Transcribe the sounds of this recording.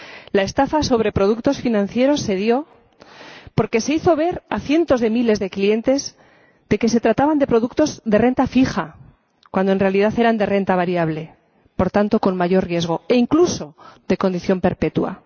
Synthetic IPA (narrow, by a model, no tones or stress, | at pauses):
lae̞st̪afaso̞β̞ɾe̞pɾo̞ð̞ukt̪o̞sfinãnθje̞ɾo̞sːe̞ðjo̞ | po̞ɾke̞se̞iθo̞β̞e̞ɾaθje̞nt̪o̞zðe̞mile̞zðe̞klie̞nt̪e̞z | d̪e̞ke̞se̞t̪ɾat̪aβand̪epɾo̞ðukt̪o̞zðe̞re̞nt̪afixa | kwand̪oe̞nre̞alið̞aθe̞ɾand̪e̞re̞nt̪aβ̞aɾjaβle̞ | po̞ɾt̪ant̪o̞ko̞nmaʝo̞rrje̞zɣ̞o̞e̞iŋkluso̞ðe̞ko̞nd̪iθjo̞mpe̞ɾpe̞t̪wa̰